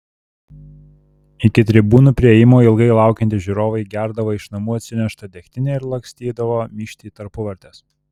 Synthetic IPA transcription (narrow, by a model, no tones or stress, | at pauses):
ɪkʲɪt̪ʲɾʲɪbuːnuˑpʲɾʲɪejɪmoːɪlˠɡɐɪlˠɑˑʊkʲɛnʲt̪ʲɪsʒʲuɾoːʋɐɪɡʲæˑɾd̪ɐʋoːɪʃnɐmuːɐt̪ʲsʲɪnʲɛʃt̪ɐd̪ʲɛkʲt̪ʲɪnʲeːɪɾlˠɐŋksʲt̪ʲiːd̪ɐʋoːmʲiːʃʲt̪ʲiːt̪ɐɾpʊʋɐɾʲt̪ʲeːs